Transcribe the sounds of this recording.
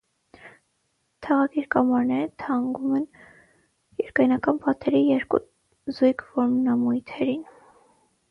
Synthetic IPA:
t̪ʰɑʁɑkiɾkɑmɑɾnɛɾət̪ʰɑŋɡumɛn | jɛɾkɑjnɑkɑnpɑt̪ɛɾijɛɾkṵ | zujkʰvɔɾmnɑmujt̪ʰɛɾin

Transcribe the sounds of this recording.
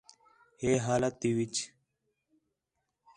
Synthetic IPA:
heːɦaːlat̪ːiwit͡ʃ

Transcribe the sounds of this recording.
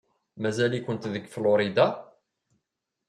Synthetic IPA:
mæzælikʊnt̪ðəɡflʊɾid̪a

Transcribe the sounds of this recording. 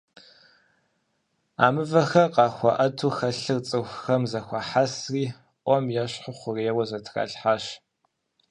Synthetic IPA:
a̰ːmɨvɐxɐqɑːxʷɔʔɐtʰuːxɐɬɨrt͡sʼɨxʷxɐmzɐxʷɑħasriː | ʔʷʼɔmjɛɕħʊχʷʊreːwɐzɐtʰra̰ːɬħaːɕ

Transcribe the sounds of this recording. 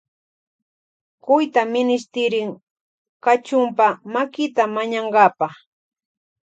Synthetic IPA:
kʊjt̪amɪnɪs̬t̪ɪɾɪŋ | kat͡ʃʊmpamakɪt̪amaɲɑɴɢɑpɑχ

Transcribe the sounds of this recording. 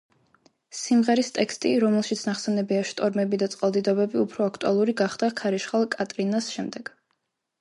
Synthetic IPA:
simʁɛɾist̪ʼɛkst̪ʼiɾɔmɛlˠʃit̪sʰnaχsɛnɛbiaʃt̪ʼɔɾmɛbid̪at̪sʼqʼalˠd̪id̪ɔbɛbiupʰɾɔakʰt̪ʼualˠuɾiɡaχd̪̥akʰaɾiʃχalˠkʼat̪ʼɾinasʃɛmd̪ɛɡ̥

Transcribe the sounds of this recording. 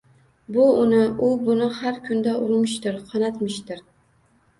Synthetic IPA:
bʊʊnɪʔʊbʊnɪhaɾkʲʰʊnd̪aʔʊɾmɪʃt̪ɪɾqʰɑnat̪mɪʃt̪ɪɾ

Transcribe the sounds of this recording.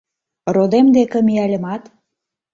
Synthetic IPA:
rod̪emd̪ekĕmiælʲə̆mɑt̪

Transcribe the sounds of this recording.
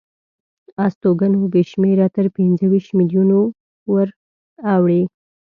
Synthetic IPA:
ɑst̪oɡanobeʃmeɾat̪əɾpinzəwiʃt̪mɪljuno | wəɾ | awɽe

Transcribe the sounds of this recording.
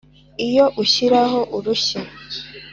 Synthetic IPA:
ijo̞ʔuɕiɾaho̞ʔuɾuɕa

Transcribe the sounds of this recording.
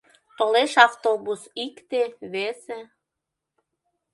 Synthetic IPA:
t̪oleʃɑft̪obusikt̪eβese

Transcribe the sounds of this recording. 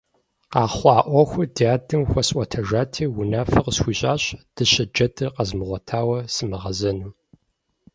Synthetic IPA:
qɑːχʷɑːʔʷɔxʷʊdaːdɨmxʷɔsʼʔʷɔtʰɐʒaːtʰiːwʊnaːfɐqəsxʷiːɕʼaːɕd̥ɨɕɐd͡ʒɐdʰɨqɐzmɨʁʷɐtʰaːwɐsɨmɨʁɐzɐnuː

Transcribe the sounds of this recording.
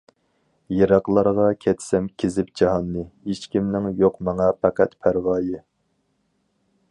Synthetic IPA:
jeɾɑqlˠɑɾʁɑkʲʰɛt̪sɛmkʲʰezɪpd͡ʒɑɦɑnːɨit͡ʃkʲimnɪŋjoqmɛŋɑpʰæqʰæt̪pʰæɾwɑːjɪ

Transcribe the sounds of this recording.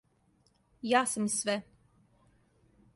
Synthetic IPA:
jaːsimisvɛ

